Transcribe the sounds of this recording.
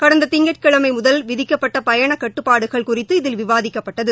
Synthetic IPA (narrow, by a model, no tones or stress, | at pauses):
kɐɽɐnd̪ɐt̪ɪŋɡɐʈ̚kɐɭɐmɐɪmʊðɐlʋɪðɪkːɐpːɐʈːɐpɐjɐɳɐkɐʈːɯpːaːɽɯɣɐɭkʊrɪt̪ːɯɪðɪlʋɪʋaːðɪkːɐpːɐʈːɐðɯ